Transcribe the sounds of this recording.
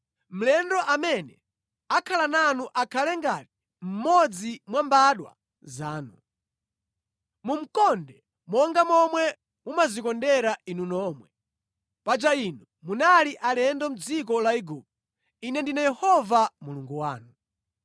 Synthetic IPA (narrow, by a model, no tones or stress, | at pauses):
m̩lɛndɔʔamɛnɛ | akʰalananuʔakʰalɛŋɡati̥ | m̩mɔd͡zimwambaɗwa̰ | zaːnṵ | mum̩kɔndɛ | mɔŋɡamɔmwɛ | umazikɔndɛɾainunɔːmwɛ | pat͡ʃainu | munaliʔalɛndɔm̩d͡zik̬ɔlaiɡup̚u | inɛndinajɛhɔvamuluŋɡuwa̰ːnu